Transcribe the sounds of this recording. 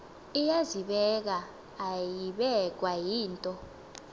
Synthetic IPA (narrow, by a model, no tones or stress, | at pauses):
ijaziɓɛk̬aː | jiɓɛk̬wajiːntʼɔ